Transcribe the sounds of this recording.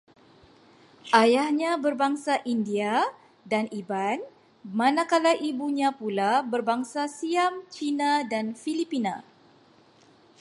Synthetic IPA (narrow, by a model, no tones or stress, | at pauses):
ʔajahɲabərbaŋsaʔindia | daniban | manakalaʔibuɲãpulabərbaŋsasiamt͡ʃinadanfilipina